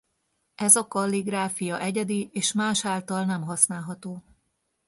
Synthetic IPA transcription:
ɛzɒkɒlːiɡraːfijɒʔɛɟɛd̪ieːʃmaːʃaːlt̪ɒlnɛmɦɒsnaːlɦɒt̪oː

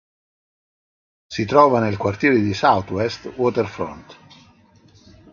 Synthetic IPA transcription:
sit̪ɾɔːvanelkwart̪jɛːɾed̪isawt̪wɛst̪wɔt̪ɛrfɾɔ̰nt̪

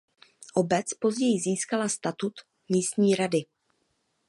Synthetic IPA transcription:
ʔo̞bɛt͡spo̞zɟɛjɪziːskalast̪at̪ut̪ | miːst̪ɲiːɾadɪ

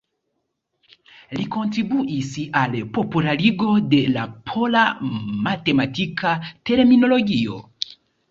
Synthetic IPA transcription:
liko̞ntɾibuʔisalpo̞pulaɾiɡo̞de̞lapʰo̞lamate̞matikate̞ɾmino̞lo̞ɡio̞̰

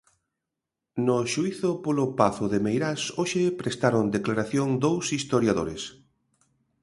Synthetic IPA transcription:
nʊʃuiθʊpolʊpaθʊðemejɾasoʃepɾest̪aɾond̪eklaɾaθjoŋd̪owsist̪oɾjaðoɾes

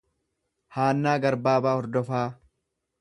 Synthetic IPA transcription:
haːnːaːɡɐɾbaːbaːhɔɾd̪ɔfaː

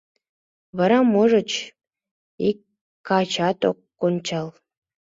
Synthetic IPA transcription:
βəɾɑmoʒə̆t͡ɕ | ikː | ɑt͡ɕɑt̪o̰kːonʲt͡ɕɑlˠ

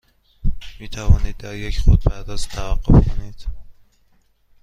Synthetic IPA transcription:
miːt̪ʰævɒːniːd̪̚ːæɾjecʰχod̪̚pʰæɾd̪ɒːzt̪ʰævæɡːofkʰoniːd̪̥

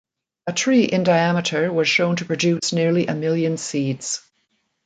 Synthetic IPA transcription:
ətʰɹ̥iːʔɪ̃ndaɪæmɪɾə˞wʌz̥ʃõʊ̃ntʰə̥pʰɹ̥ɨdʉˑsnɪɹliʔəmɪlˠjə̃nsiːdz̥

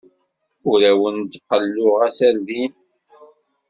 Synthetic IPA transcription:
ʊɾæwənd̪qːəlːʊʁæsæɾðin

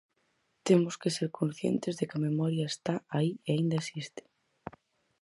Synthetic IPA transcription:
t̪emoskeseɾkʰõnsθjḛnt̪ezðekamemɔɾjaest̪aaieaĩnd̪aesist̪ɪ̥

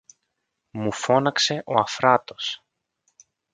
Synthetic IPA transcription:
mufo̞nɐkse̞ʔo̞ɐfɾɐt̪o̞s

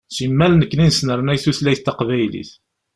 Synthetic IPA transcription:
simːælnəkːninsnəɾˤnæjθuθlæjθt̪ːɑqvæjlḭθ

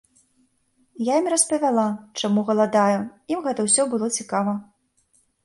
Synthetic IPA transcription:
jaimʲrɐspɐvʲalˠat͡ʂamuɣɐlˠad̪ajuimɣɛt̪ɐwsʲɔbɨlˠɔt͡sʲikavɐ

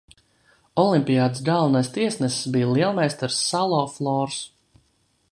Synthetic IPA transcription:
ɔlˠimʲpʲijaːd̪ɨsɡalˠvnajst̪iɛsnɛssbiːjlˠiɛlˠmɛjst̪aɾsːalˠɔːflˠɔːɾs

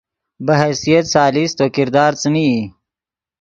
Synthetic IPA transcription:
bɐɦɛsijɐt̪saːlist̪oːkɪɾd̪ɑːɾt͡sənii

